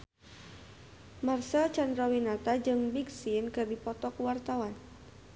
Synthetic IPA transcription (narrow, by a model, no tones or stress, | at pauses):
marsat͡ʃandɾawinat̪ad͡ʒɨŋbiksinkɨrdipɔt̪ɔkwart̪awan